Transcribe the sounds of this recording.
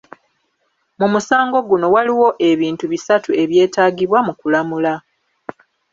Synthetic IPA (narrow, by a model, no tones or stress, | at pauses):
mumusaːŋɡo̞ɡuno̞waliwo̞ʔe̞βiːntuβisatue̞βje̞ːtaːɡiβwamukulamula